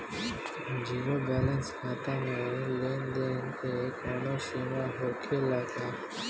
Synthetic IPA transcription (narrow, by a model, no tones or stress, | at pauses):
d͡ʒiɾobɛlənskʰat̪amelend̪ent̪ekonoʃimaɦokʰelaka